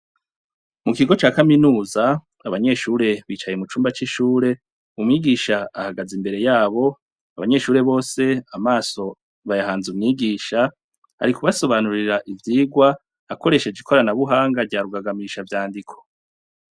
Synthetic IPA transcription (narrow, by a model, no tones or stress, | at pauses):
mukiɡo̞t͡ʃaːkaminuːza | aβaɲe̞ʃuːɾe̞βiːt͡ʃaje̞mut͡ʃuːmbat͡ʃiʃuːɾe̞ | umŋiːɡiʃaahaɡazimbe̞ɾe̞jaːβo̞ | a̰βa̰ɲe̞ʃuːɾe̞βo̞ːse̞amaːso̞ | βajahaːnzumŋiːɡiːʃa | ha̰ɾikuβaso̞βanuɾiɾaʔivjiːɡwaː | ko̞ɾe̞ʃe̞d͡ʒikʰo̞ɾanaβuɦaːŋɡaɾɟaːɾuɡaɡamiʃavjaːndikʰo̞̥